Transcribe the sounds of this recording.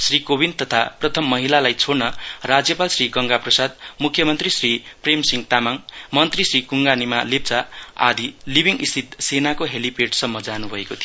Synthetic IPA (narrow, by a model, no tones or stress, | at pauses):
srikobint̪ʌt̪ʰaprʌt̪ʰʌmːʌɦilalajt͡sʰoɽnʌrad͡zjʌpalsriɡʌŋɡaprʌsad̪mukʰjʌmʌnt̪risripremsiŋt̪amaŋmʌnt̪risrikuŋɡanimalep̚t͡saa̰d̪ʱilibʱiŋist̪ʰit̪senakoɦelipeʈsʌmːʌd͡zanubʱʌekot̪ʰijo